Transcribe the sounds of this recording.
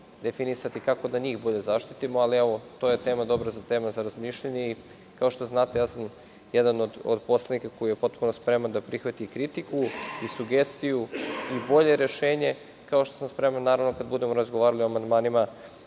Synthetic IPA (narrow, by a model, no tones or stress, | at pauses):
d̪e̞finisat̪ikako̞d̪aɲiːxboʎe̞zaʃt̪it̪imo̞aliɛʋo̞t̪o̞je̞t̪e̞ːmad̪o̞bɾazat̪e̞ːmazaɾazmiʃʎaɲei | kao̞ʃt̪oznaːt̪ejaːsam | jɛd̪anod̪o̰d̪po̞sled̪nikako̞jije̞po̞t̪puno̞spɾe̞mand̪apɾixʋat̪ikɾit̪ikuisuɡe̞st̪ijuibo̞ʎe̞ɾe̞ʃe̞ːɲe̞ | kao̞ʃt̪osamspɾe̞manːaːɾaʋnokad̪bud̪e̞moɾazɡoʋaːɾalioamand̪maːnima